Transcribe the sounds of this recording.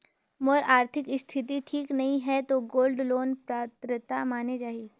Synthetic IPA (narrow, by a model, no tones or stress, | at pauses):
moɾaːɾt̪ʰɪkɪst̪ʰɪt̪̬iʈʰiːknɐɦĩɦɛt̪oɡoːlɖloːnpɾaːt̪ɾət̪amaːned͡ʒaːɦiː